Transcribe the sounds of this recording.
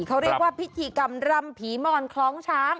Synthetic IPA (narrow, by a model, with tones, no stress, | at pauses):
kʰa˦˥wɾi˥˩kwaː˥˩pʰi˦˥t̪ʰiː˧ka˧mɾa˧mpʰiː˩˦mɔː˧nkʰlɔː˦˥ŋt͡ɕʰaː˦˥ŋ